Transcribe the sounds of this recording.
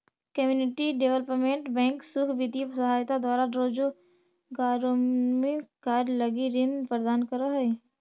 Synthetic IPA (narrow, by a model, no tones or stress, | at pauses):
kəmjuːnɪʈiɖeʋələpmẽɳʈbɛ̃ːŋksʊkʰbit̪isəɦaːjt̪ad̪waːɾaɾoːd͡ʒo | ɡaːɾomekaːɾlɐɡiɾɪnpɾəd̪aːnkəɾoɦɛe